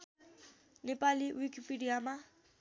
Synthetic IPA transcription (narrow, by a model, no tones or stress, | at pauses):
nɪpʼalɪwikʰʼipʼidiama